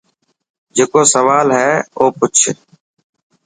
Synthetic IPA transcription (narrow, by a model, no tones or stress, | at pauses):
d͡ʒeːkoːsəʋaːlɦɛːoːpʊt͡ʃʰ